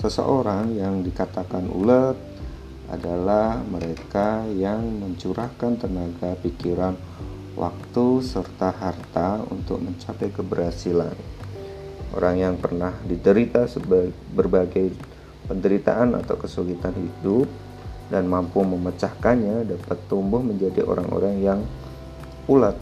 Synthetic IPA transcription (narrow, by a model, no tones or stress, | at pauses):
səsə̰ʔoɾaŋjaŋdikat̪akanṵlət̪̚ | ʔa̰dalahməɾekajaŋməɲt͡ʃuɾahkant̪ənaɡapikiɾan | wʔa̰k̚t̪usərt̪aɦart̪aṵnt̪ʊ̰k̚məɲt͡ʃapajkəbərhasilan | ʔo̰ɾaŋjaŋpərnahdidəɾit̪asəba | bərbaɡaj | pəndəɾit̪a̰ʔana̰t̪awkəsulit̪anhidʊp̚ | danmampuməmət͡ʃahkanɲadapat̪ːumbʊhməɲd͡ʒadiʔo̰ɾaŋo̰ɾaŋjaŋ | pulat̪̚